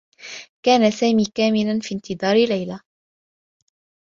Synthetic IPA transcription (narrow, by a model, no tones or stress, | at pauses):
kaːnasaːmiːkaːmɪlanfiːnt̪ɨd̪ˤɑːɾɪlajla